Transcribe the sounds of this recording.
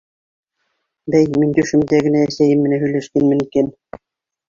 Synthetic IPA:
bæjminʲd̪ʲyʃɘ̆md̪æɡɘ̆næːsʲæjɘ̆mːɘ̆næɦy̆jlʲæʃk̪enmɘ̆niken

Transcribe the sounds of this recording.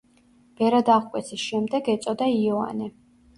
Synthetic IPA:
b̥ɛɾad̪aʁkʼwɛt̪sʰisʃɛmd̪ɛɡɛt̪sʼɔd̪aiɔa̰ni

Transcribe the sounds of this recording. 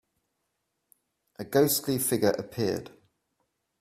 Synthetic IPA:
ʔəɡəʊstlifɪɡəɹʔə̰pʰɪəd̥

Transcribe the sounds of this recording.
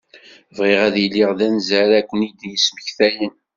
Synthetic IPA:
vʁɪʁæðjəlːɪʁðænzæɾækʷːənid̪jəsməçθæjən

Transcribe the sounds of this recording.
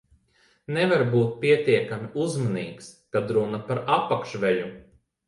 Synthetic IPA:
nɛvaɾbuːt̪̚pʲiɛt̪iɛkamiʔuzmaniːkskad̪ɾunapaɾapːakʃvɛʎu

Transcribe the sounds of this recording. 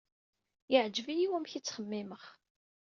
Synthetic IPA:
jɪʕd͡ʒəvijiwæmçit͡sːχəmːɪməχ

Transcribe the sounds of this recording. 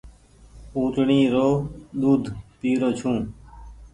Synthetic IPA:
ũːt̪ɳiːɾoːɗ̪uːd̪ʱpiːɾoːt͡ʃʰũː

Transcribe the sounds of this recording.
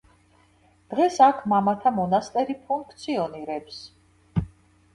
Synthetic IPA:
d̪̥ʁɛsakʰmamat̪ʰamɔnast̪ʼɛɾipʰuŋkʰt̪sʰiɔniɾɛps

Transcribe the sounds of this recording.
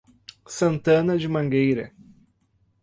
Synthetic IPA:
sɐ̃nt̪ɐ̃nɐd͡ʒɪmɐ̃ŋɡejɾɐ̰

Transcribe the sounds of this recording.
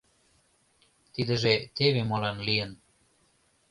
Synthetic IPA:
t̪id̪ə̆ʒet̪eβemolɑnlijən

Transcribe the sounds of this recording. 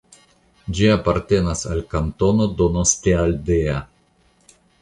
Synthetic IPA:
d͡ʒiapaɾt̪e̞nasa̰lkant̪onod̪onost̪eald̪ea

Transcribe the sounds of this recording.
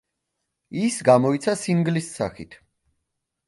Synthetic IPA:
isɡamɔit̪sʰasiŋɡlisːa̰χḭt̪ʰ

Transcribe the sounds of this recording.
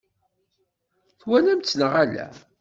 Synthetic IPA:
θwænæmt͡sːnəʁælæ̰

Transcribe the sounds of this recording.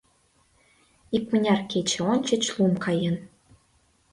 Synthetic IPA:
ik̚mɘ̆nʲɑrkʲet͡ɕɘ̆onʲt͡ɕɘ̆t͡ɕlˠumkʰɑjɤ̆n

